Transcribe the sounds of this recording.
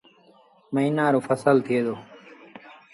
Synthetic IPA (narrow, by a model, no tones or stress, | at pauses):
məɦiːnaːɾoːfʰəsəlt̪ʰɪeːd̪oː